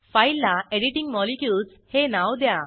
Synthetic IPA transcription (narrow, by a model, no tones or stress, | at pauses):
fajlːaeɖiʈiŋɡmɔlikjuls | henawd̪ja